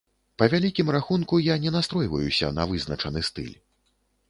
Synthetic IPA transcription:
pɐvʲalʲikʲimraxunkujanʲɛnast̪ɾɔjvɐjusʲɐ̰nɐ̰vɨznɐt͡ʂɐnɨst̪ɨ̰lʲ

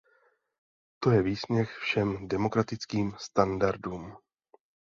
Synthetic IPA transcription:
t̪o̞jɛviːsɲɛxfʃɛmdɛmo̞kɾat̪ɪt͡skiːmst̪andaɾduːm

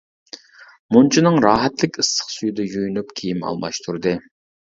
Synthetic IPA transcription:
munt͡ʃʰinɨŋɾɑːɦɛt̪lɪkʲɨsːə̥χsyjyd̪ɛjujynypkʲʰijimɑ̰lˠmɑ̰ʃt̪ʰuɾd̪ɨ

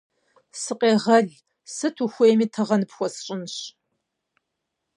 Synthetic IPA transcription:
sɨqʼeːʁɐɮ | sɨtʰuxʷejmiːtʰɐʁɐnɨpxʷɔsɕʼɪnɕ

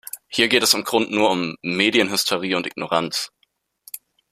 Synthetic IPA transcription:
hiːɐɡeːtɛsʊmɡ̥ʁʊntnuːɐʊmːeːdjənɦʏstʰɛʁ̞iːʊntɪɡ̥noʁant͡s

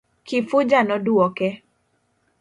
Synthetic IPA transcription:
kɪfʊd͡ʒanɔduɔkɛ

